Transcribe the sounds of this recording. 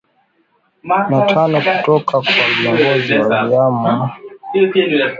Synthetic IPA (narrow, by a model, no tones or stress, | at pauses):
natanɔkutɔkʰakwaviɔŋɡɡɔziwaiama